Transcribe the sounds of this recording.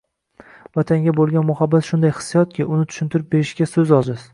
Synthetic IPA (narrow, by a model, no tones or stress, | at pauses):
vat̪ʰaŋɡʲabolˠɡʲanmʊhabːat̪ʃʊnd̪ajhɨ̥sːijɒt̪̚kʲʰɪʔʊnɪt̪ʰʊ̥ʃɪnt̪ʰɪɾɪp̚beɾɪʃɡʲasɵzɒzɪz